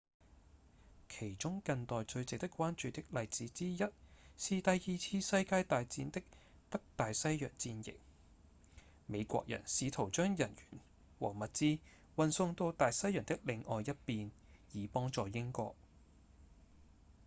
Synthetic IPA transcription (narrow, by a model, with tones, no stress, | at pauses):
kʰe˨˩jt͡ʃʊ˥ŋkɐ˧ŋt̪ɔː˨jt͡sɵ˧ɥt͡sɪ˨k̚t̪ɪ˥kʷːwaː˥nt͡ʃyː˨˧t̪ɪ˥k̚lɐ˨jt͡siː˨˧˥t͡siː˥jɐ˥t̚siː˨t̪ɐ˨jjiː˨t͡sʰiː˧sɐ˧jkaː˧jt̪aː˨jt͡siː˨˥nt̪ɪ˥k̚ | tɐ˥k̚t̪aː˨jsɐ˥jjœ̰ː˨˩ŋt͡siː˧njɪ̰˨k̚ | me˨˧jkʷɔ̰ː˧k̚jʔɐ̰˨˩nsiː˨˧t̪ʰo˨˩wt͡ʃœː˥ŋjɐ˨˩njy̰ː˨˩n | wɔ̰ː˨˩mɐ˨t̚t͡siː˥ | wɐ˨nsʊ˧ŋt̪o˧wt̪aː˨jsɐ˥jœː˨˩ŋt̪ɪ˥k̚lɪ˧ŋɔː˨jɐ˥t̚piː˨˧n | jiː˨˧pɔː˥ŋt͡sɔː˨jɪ˥ŋkɔ̰ː˧k̚